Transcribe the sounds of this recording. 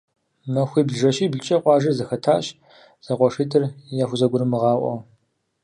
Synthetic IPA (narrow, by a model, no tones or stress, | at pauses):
mɐxʷiːbɮʒɐɕiːbɮt͡ʃʼɐqʷʼɑːʒɐrzɐxɐtʰaːɕ | z̥ɐqʷɔʂiːtʰɨrjaːxʷʊzɐɡʷʊɾɨmɨʁɑːʔʷʼɔ̰